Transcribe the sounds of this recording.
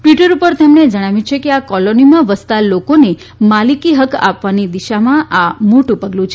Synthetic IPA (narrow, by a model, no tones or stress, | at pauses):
ʈʋiʈəɾupəɾt̪emned͡ʒəɽ̃aʋjũt͡ʃʰekeakɔlonimãʋəst̪alokone | malikiɦəka̰pʋanid̪iʃamãʔamoʈũpəɡlũt͡ʃʰe